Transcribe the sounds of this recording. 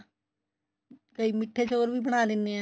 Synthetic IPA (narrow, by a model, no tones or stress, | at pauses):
kəiːmɪʈʰːeseoːɾbʱiːbəɽ̃aːlɪnːeɛ̃ː